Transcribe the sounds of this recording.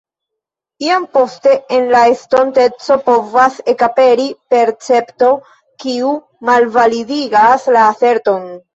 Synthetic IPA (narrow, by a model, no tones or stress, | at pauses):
iampo̞ste̞enlaesto̞nte̞t͡so̞po̞vase̞kape̞ɾipe̞ɾt͡se̞pto̞ | kiu | malvalidiɡaslaːθe̞ɾto̞n